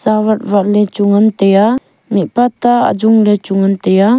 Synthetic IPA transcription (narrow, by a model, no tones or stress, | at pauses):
sawat̚vaʔlɛt͡ʃuŋant̪eja | mipat̪aa̰d͡ʒuŋlet͡ʃuŋant̪ɛja